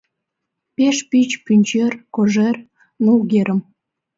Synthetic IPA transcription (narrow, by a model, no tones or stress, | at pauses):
peʃpyt͡ɕpynʲt͡ɕerkoʒer | noɣeɾəm